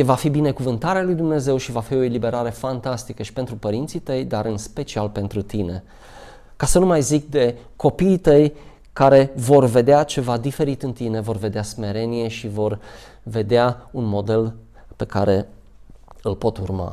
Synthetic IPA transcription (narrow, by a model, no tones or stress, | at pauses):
evafibine̞kuvɨnt̪aɾealujd̪umne̞ze̞wʃivafio̞e̞libe̞ɾaɾe̞fant̪ast̪ikəʃi̥pe̞nt̪ɾupəɾint̪sit̪əjd̪aɾɨnspe̞t͡ʃialpe̞nt̪ɾut̪ine̞ | kasənumajzikd̪e̞ | ko̞piːt̪əj | kaɾe̞vo̞rve̞d̪eat͡ʃe̞vad̪ife̞ɾit̪ɨnt̪ine̞vo̞rve̞d̪easme̞ɾe̞nije̞ʃivo̞r | ve̞d̪eaunmo̞d̪e̞l | pe̞ka̰ɾe̞ | ɨlpo̞t̪urma̰